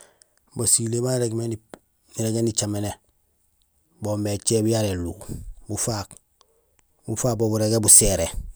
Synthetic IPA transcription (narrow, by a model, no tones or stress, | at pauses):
basilebanɾeɡmeni | niɾeɡenit͡ʃamene | boːmet͡ʃeːbujaɾelṵbufak | bufaːbobuɾeɡebuseɾe